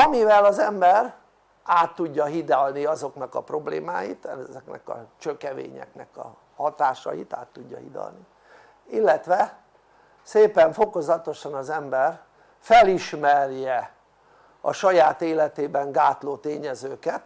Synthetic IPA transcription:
ɒmivɛlɒzɛmbɛr | aːt̪ːuɟːɒɦid̪alniɒzo̞knɒkɒpro̞blḛːmaːjḭt̪ɛzɛknɛ̰kɒ̰t͡ʃøkɛvḛːɲɛ̰knɛ̰kɒ̰ | hɒt̪aːʃɒ̰jḭt̪a̰ːt̪ːuɟːɒ̰ɦid̪ɒ̰lni | ilːɛt̪ʋɛ | seːpɛɱfo̞ko̞zɒt̪o̞ʃɒnɒzɛmbɛr | fɛliʃmɛrjɛ | ɒ̰ʃɒjaːt̪eːlɛt̪eːbɛŋɡaːt̪loːt̪eːɲɛzøːkɛt̪

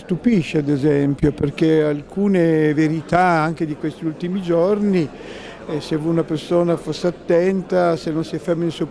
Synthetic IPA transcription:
st̪upiʃːead̪ezɛmpjoperk̟ealkuːneveɾit̪aaŋk̟ed̪ikwest̪iult̪imid͡ʒorni | sevojunapersoːnafosːeat̪ːɛnt̪asenːonsiɛfːemːeinsuo

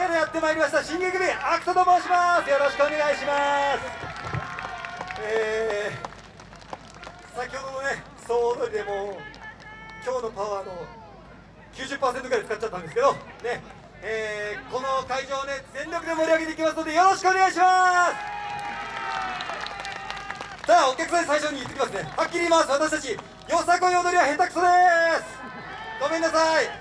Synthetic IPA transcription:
aɾojat̪ːe̞maiɾʲimaɕ̬it̪aɕĩŋɡeɡɯmʲiakɯ̟t̪ot̪omoːɕimasɨjo̞ɾo̞ɕi̥kɯo̞ne̞ɡaiɕimasɨ̥ | e | sakʲho̞d̪o̞one̞ | soːd̪oɾʲid̪e̞moː | kʲo̞ːno̞paβaːno̞ | kʲɨ̟ːʑɨpːaːse̞nt̪oɡ̟ɾaet͡sɨ̥katt͡ɕːat̪ːãnd̪e̞sɨ̥ke̞d̪o̞ne̞ | eːko̞no̞kaiʑoːβane̞zẽ̞nɾʲo̞kɯ̟d̪e̞mo̞ɾʲiaɡe̞t̪eikʲimasɨno̞d̪e̞jo̞ɾo̞ɕi̥kɯo̞ne̞ɡaiɕimasɨ̥ | saːo̞kʲakɯ̥sanesaiɕo̞ɲ̟iit̪ːe̞kʲimasɨne̞hakʲːiɾʲiːmasɨβat̪aɕi̥t̪at͡ɕi | jo̞sakoɲiod̪oɾʲiβahẽ̞nt̪akɯ̟̥sod̪e̞sɨ̥ | ɡ̥o̞me̞nːasai

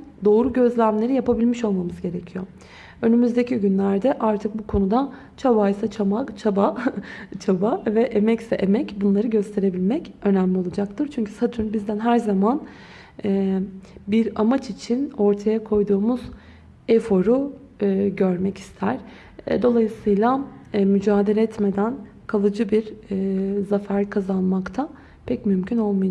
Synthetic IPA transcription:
d̪o̞ːɾuɟø̞zlʲæmlʲe̞ɾijapabilʲmiʃo̞lˠmamɯzɟe̞ɾecʰijo̞ | ø̞nymyzd̪e̞cʰiɟynlʲæɾd̪ɛʔaɾt̪ʰɯk̚bukʰo̞nud̪a | t͡ʃʰabajsat͡ʃʰamakt͡ʃʰaba | t͡ʃʰabavɛʔemɛcsɛʔemɛcbunlˠaɾɯɟø̞st̪ʰe̞ɾe̞bilʲmɛcø̞næmlʲio̞lˠad͡ʒakt̪ʰɯɾt͡ʃʰyɲcʰy̥sat̪ʰynbizd̪ænɦæɾzaman | ɛːbiɾamat͡ʃit͡ʃʰino̞ɾt̪ʰajakʰo̞jd̪uːmuz̥ | efo̞ɾu | ɟøɾmɛci̥st̪ʰæɾ̥ | ɛ̰d̪o̞lˠajɯsɯjlˠamyd͡ʒaːd̪e̞lʲɛɛt̪me̞d̪æn | kʰalˠɯd͡ʒɯbiɾ | zafæɾkʰazanˠmakt̪ʰa | pʰɛcmymcʰyno̞lˠmuj

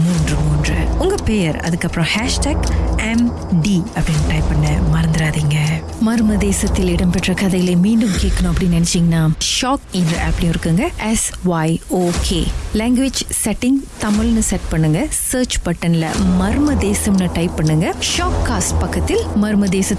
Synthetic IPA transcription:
muːndrɯmuːndrɯ̰ʊŋɡɐpeːjɐɾɐ̰ðɯkːɐpːɾɐ̃haːʂʈaːɡɛm | ɖiɐpːɐɽɪnːʈɐɪpːɐnːɐmɐɾɐnd̪ɪɾaːðiːŋɡɐ | mɐɾɯmɐðeːsɐt̪ːɪlɪɽɐmpɛʈːrɐkɐðɐjɐleːmiːɳɖɯmkeːʈkɐɳõɐpːɐɽɪnːnːɐnɛt͡ʃːiːŋɡɐnaːʃaːkɪnɾɐɐ̰pːɐɽijʊ̃ɪɾɯkːɯŋɡɐɛsʋɐːɪoːkʰeːleːŋɡʋɪd͡ʒsɛʈːɪŋɡt̪ɐmɪlnɯsɛʈ̚pɐɳːɯŋɡɐseːɾt͡ʃpɐʈːɐnɪlɐ̰mɐɾɯmɐd̪eːsɐmnɯʈɐɪpːɐɳːɯŋɡɐʃaːkːaːsʈpɐkːɐt̪ːɪlmɐɾɯmɐd̪eːsɐ

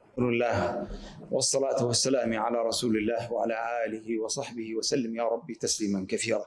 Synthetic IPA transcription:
ʊlɪlːaːhwʔɑsˤːɑlaːt̪ʊwasːalaːmʕalaːɾˤɑsuːlɪlːaːhwaʕalaːʔaːlɪhɪwɑsˤɑħbɪhɪwasalːɪmjaːɾˤɑbːit̪asliːmankaθiːɾaː

